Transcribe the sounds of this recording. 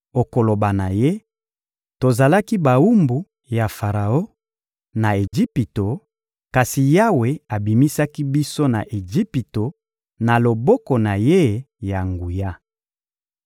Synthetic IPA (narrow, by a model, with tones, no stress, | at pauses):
o˨ko˨lo˨ba˨na˨je˦ | to˨za˨la˦ki˦ba˨u˦mbu˨ | ja˨fa˨ʁa˨o˦ | na˨e˨ʒi˦pi˨to˨ | ka˨si˨ja˦we˨a˨bi˨mi˦sa˦ki˦bi˦so˦na̰˨ʔe˨d͡ʒi˦pi˨to˨ | na˨lo˨bɔ˦kɔ˨na˨je˦ | ja˨ŋɡu˨ja˦